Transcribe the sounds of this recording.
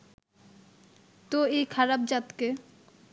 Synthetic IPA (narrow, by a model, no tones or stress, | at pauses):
t̪oejkʰaɾab̚d͡ʑat̪ke